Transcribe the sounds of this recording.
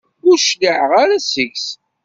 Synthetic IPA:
ɡuʃliʕʁaɾæsəʝs

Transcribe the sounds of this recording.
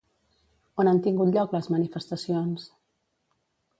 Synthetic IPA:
onant̪iŋɡut̪ʎɔkləzmənifəst̪əsions

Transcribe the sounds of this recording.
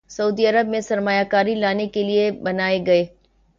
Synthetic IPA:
sɐuːd̪iɐɾəbmẽsɐɾmaːjakaːɾilaːnekeliebɐnaːeɡɐeː

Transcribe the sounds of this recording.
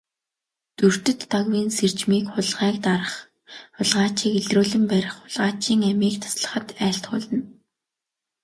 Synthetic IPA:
t̪ur̥t̪ɵ̆t̪ːaɣwiːnsert͡ɕmiːkʊɮʁæːkt̪aɾə̆χ | ʊɮʁaːt͡ɕiːkeɮruːɮɘ̆mpæɾʲɪ̆χʊɮʁaːt͡ɕiːŋæmiːkt̪ʰḁsɮə̥̆χə̆t̪æːɬt̪ɢʊːɮə̆n

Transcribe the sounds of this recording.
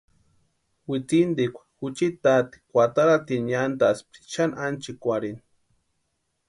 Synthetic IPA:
wit͡sind̪ikʷḁxut͡ʃit̪at̪i̥kʷat̪aɾat̪inand̪asp̪̚i̥t͡ʃanant͡ʃikʷaɾini

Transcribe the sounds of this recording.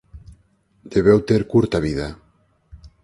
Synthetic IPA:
d̪̥eβewt̪eɾkuɾt̪aβiða

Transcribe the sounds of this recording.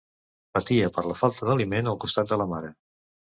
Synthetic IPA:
pət̪iəpəɾləfalˠt̪əðəlimenəlˠkust̪at̪̚d̪ələmaɾə

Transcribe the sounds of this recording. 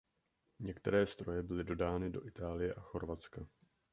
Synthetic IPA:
ɲɛkt̪ɛ̰ɾɛːst̪ɾo̞jɛbɪlɪdo̞daːnɪdo̞ʔɪt̪aːlɪjɛʔaxo̞ɾvat͡ska

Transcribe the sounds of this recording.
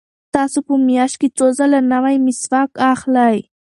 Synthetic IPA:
t̪asʊpʊmɪaʃkɪt͡sozalanawajmɪsfakaχlaj

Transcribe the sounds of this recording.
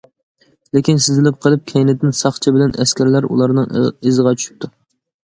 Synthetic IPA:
lekʲinsɪzɪlɪp̚qʰəlˠɨp̚kʲʰɛjnɪd̪ɪnsɑχt͡ʃʰibɪlɛnɛskʲæɾlæɾṵlˠɑɾnɨŋɪzəʁɑt͡ʃʰy̥ʃy̥p̚t̪ʰu

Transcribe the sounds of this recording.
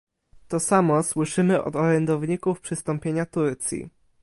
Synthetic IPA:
t̪ɔsamɔswɘʂɘmɘʔɔ̰d̪ɔɾɛnd̪ɔvɲikufpʂɘst̪ɔmpʲjeɲat̪uɾt̪sʲjḭ

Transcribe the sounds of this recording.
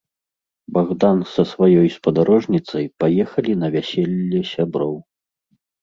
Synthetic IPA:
baɣd̪ansɐsvajɔjspɐd̪aɾɔʐnʲit̪sɐjpajɛxɐlʲinɐvʲasʲɛlʲːɛsʲabɾɔw

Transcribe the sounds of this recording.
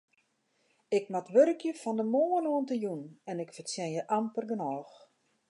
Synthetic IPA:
ɪkmatʋøɾəkʰjəfɔndəmoːənoəntəjunɛnɪkfərsjɛnjəʔampərɡənɔːx

